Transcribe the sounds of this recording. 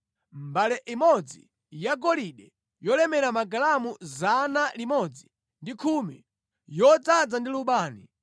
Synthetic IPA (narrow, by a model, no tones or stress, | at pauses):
m̩balɛʔimɔd͡zi | jaɡɔliɗɛ | jɔlɛmɛɾamaɡalamuzanalimɔd͡zi | ndikʰuːmi | jɔd͡zad͡zandiluɓaːni